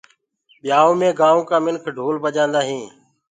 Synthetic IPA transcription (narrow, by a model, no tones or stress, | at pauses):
ɓɪjaːõːmẽːɡãːʋõːkãːmɪnkʰɖʱuːlbəd͡ʒãːnd̪aːɦĩː